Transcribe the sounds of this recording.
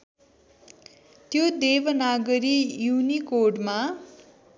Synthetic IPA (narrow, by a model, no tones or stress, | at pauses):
t̪jod̪ebʌnaɡʌɾijunikoɖma